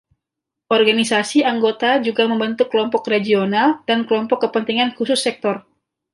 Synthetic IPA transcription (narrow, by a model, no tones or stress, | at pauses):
ʔɔrɡanisasiaŋɡot̪ad͡ʒuɡaməmbənt̪ukːəlɔmpɔkred͡ʒionaldankəlɔmpɔkːəpənt̪iŋankusʊsːɛk̚t̪ɔr